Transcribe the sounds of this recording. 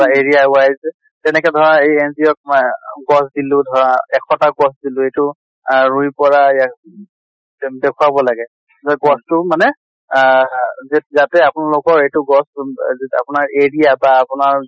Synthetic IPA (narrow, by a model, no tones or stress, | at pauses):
baeɹijaʊajzɛ | tɛnɛkɛdʱɔɹãejɛnziɔk̚mɡɔsdilʊ̃dʱɔɹaɛkʰɔtaɡɔsdilʊejtʊ | ɹuipɔɹaejak | dɛkʰuabɔlaɡɛ | zɔɡɔstʊmanɛ | zɛzatɛapʊnalokɔɹejtʊɡɔsa̰pʊnaɹeɹijabaːpʊnaɹ